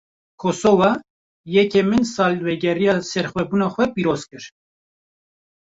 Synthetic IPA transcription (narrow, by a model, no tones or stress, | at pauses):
kʰosovɑ | jɛkemɨnsɑːlwɛɡɛɾijɑːsɛɾxʷwɛbuːnɑːxʷɛpiːɾoz̥kɨɾ